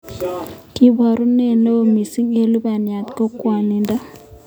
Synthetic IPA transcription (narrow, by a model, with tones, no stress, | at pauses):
ki˦ba˨ɾu˦ne˦˨no˦o˨mi˨si˦ŋe˦lu˦ba˨nja˨t̪ko˦kwa˨ni˨nda˦